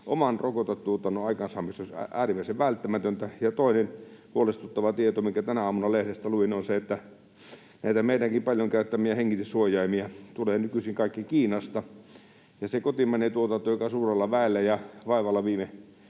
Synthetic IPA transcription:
ʔomɑnrokot̪ɑtt̪uot̪ɑnoɑikɑnsɑːmist̪ːoˑsæ̰æ̰ːrimæˑiseʋʋælt̪ːæmæt̪ønt̪æjɑt̪oˑinenhuolest̪ut̪ːɑʋɑt̪iet̪omiŋkæt̪ænæɑːmunɑlehɾest̪æluʋinonseet̪ːæ | næˑit̪æmeˑidæŋkimpɑlʲjoŋkæˑyt̪ːæmiɑheŋkit̪esuojˑɑimiɑt̪uleːnykysiŋkɑˑikːikiːnɑst̪ɑ | jɑsekot̪imænet̪uot̪ɑnt̪ːojokɑsuːrelːɑʋæˑelːæjɑʋɑˑiʋɑlːɑʋiːme

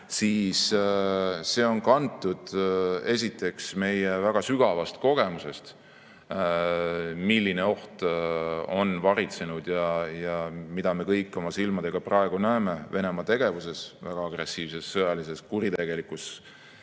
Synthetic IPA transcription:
siːs | se̞ːo̞nkɑnt̪ːˑud̪̥e̞sʲit̪ːˑe̞ksme̞jevæɡ̥ɑsyɡ̥ɑvɑst̪ko̞ɡ̥e̞muse̞st̪ | milːine̞o̞ht̪ | o̞nvɑɾit̪se̞nud̪̥jɑjɑmid̪̥ɑme̞kɤjkːˑo̞mɑsilmɑd̪̥e̞ɡ̥ɑprɑe̞ɡ̥unæeme̞ve̞ne̞mɑt̪e̞ɡ̥e̞vuse̞svæ̰ɡ̥ɑɑɡ̥re̞sːiːvse̞sːɤjɑlise̞skuɾit̪e̞ɡe̞likus

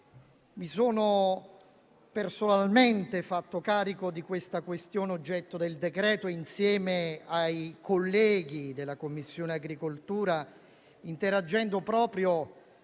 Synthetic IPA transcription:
misoːno | personalment̪efat̪ːokaːɾikod̪ikwest̪akwest̪joːneod͡ʒːɛt̪ːod̪eld̪ekɾɛːt̪oinsjɛːmeajkʰolːɛːɡid̪elːakomːisːjoːneaɡɾikolt̪uːɾa | int̪eɾad͡ʒːɛnd̪opɾɔːpɾjo

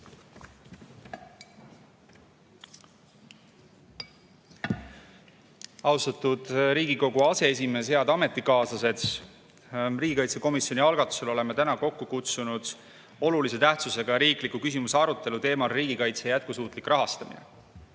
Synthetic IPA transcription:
ɑwst̪ɑt̪ud̪̥ɾiːɡiko̞ɡuɑse̞es̬ʲime̞ːsheɑd̪ɑme̞t̪ˑːikɑːsɑse̞t̪s | riːɡ̥ikɑjt̪se̞ko̞misjo̞niɑlɡ̥ɑt̪ːˑu̥se̞lo̞le̞met̪ænɑko̞kːukut̪sunud̪̥ | o̞lulise̞t̪æht̪suse̞ɡ̥ɑjɑɾiːklikukysimuseɑɾut̪ˑːe̞lut̪e̞ːmɑlːiːɡikɑjt̪sejæt̪̚kusuːt̪ˑlikrɑɦɑst̪ɑmḭnḛ

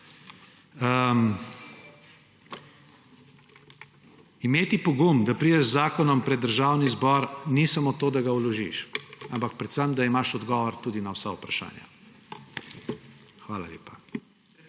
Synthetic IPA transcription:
ə | imeːt̪ipɔɡumd̪apɾid̪ɛʒzaːkɔnɔmpɾɛd̪ːəɾʒaːwnizbɔɾnisamot̪oːd̪aɡawlɔʒḭʃampak̚pɾɛt̪səmd̪aimaʃɔd̪ɡɔʋɔɾt̪uːd̪inawsaupɾaʃa̰ːnja̰ | xʋaːla̰lḛːpa

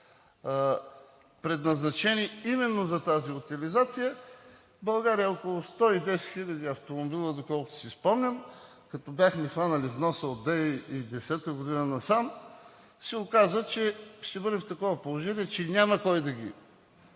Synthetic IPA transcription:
pɾɛd̪nɐznɐt͡ʃɛniimɛnːozɐt̪aziʊt̪ʲilizat̪sijə | bɐlˠɡaɾijəokolˠʊst̪ɔid̪ɛsɛ̥t̪xilʲɐd̪iɐft̪omobilˠəd̪okɔlˠkʊt̪ʊ̥sispɔmnʲɐm | kɐt̪ɔbjaxmixvanɐlivnɔsəot̪̚ːɛid̪ɛsɛt̪əɡod̪inənɐsam | sɛʊkazvət͡ʃɛʃt̪ɛbɤd̪ɛft̪ɐkɔvɐpolˠoʒɛnʲiɛt͡ʃɛnʲamɐkɔjd̪ɐɡʲi

